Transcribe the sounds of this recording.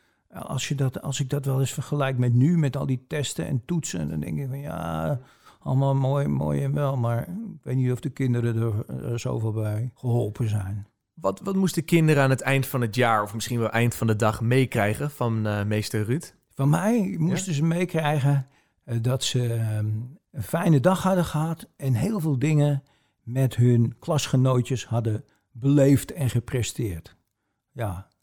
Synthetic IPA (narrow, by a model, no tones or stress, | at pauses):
ɑ̰lˠsjədɔtɑ̰lˠsɪɡ̚dɔtʋɛlˠɪsfərχəlɛjkmɛtnymɛtɔ̰lˠditɛstəɛ̰ntutsənd̰ndɛ̰ŋkɪkfɑnja̰ | ɑ̰lˠmalˠmojmo̰ːjɛnʋɛlˠmaɹɪkʋejtnitɔfdəkɪndəɾədəɹzo̰wvɪːlˠbɛjχəɦɔlˠpʰəzɛjn | ʋɑtʋɑtmustəkɪndəɾəaːnətɛjntfɑnətjaːɹɔfmɪsχinʋɛlˠʔɛjntfɑndədɑχmejkrɛjχəfɑnmejstəryt | fɑnmɛjmustəzəmejkrɛjɣən | dɔtsə | əfɛjnədɑχhɑdəχəɦɑtɛnɦeːlˠveːlˠdɪŋən | mɛtɦɵnklɑsχənowtjəshɑdə | bəlejftɛnχəprɛstɪːɹt | ja